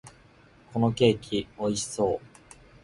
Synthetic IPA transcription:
kʰo̞no̞ke̞ːkʲʰio̞iɕi̥so̞ː

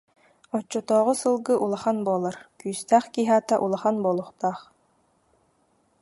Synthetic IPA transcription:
ɔt͡ɕːɔt̪ɔːʁɔsɯlˠɡɯʔulˠaχanbuɔlˠaɾkyːst̪æːχkiɦaːt̪aʔulˠaχanbuːlˠuχt̪aːχ

